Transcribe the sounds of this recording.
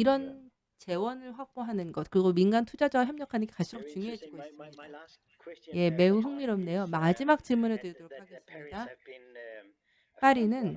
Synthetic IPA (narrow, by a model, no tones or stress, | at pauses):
iɾʌn | t͡ɕe̞wʌnɯɭɸwak̚p͈oɦanɯnɡʌt̚kɯɾiɡominɡantʰud͡ʑad͡ʑaɡaçjʌmɲʌkʰanɯnɡekas͈ʰuɾok̚t͡ɕuŋjoɦe̞d͡ʑiɡois͈ɯmɲida | je̞me̞uɦɯŋmiɾomne̞jomad͡ʑimak̚t͡ɕ͈iɭmunɯɭtɯɾidɯɾokʰaɡe̞s͈ɯmɲida | ɸaɾinɯn